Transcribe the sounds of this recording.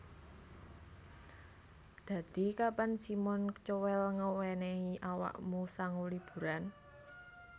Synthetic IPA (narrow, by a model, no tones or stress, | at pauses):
d̪̥ä̤d̪̥i̤kapansimɔnt͡ʃowɛlŋəwɛneiʔawa̰ʔmusaŋulib̥ṳɾan